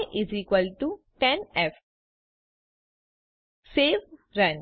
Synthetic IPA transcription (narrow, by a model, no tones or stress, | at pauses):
ʔiziːkʋəlʈu | ʈɛ̃nɛf | seːʋɾɐ̃n